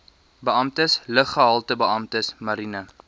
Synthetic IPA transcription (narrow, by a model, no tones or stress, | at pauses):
bəɐmtəsləχːəɦɑlˠtəbəɐmtəsmɐɾinə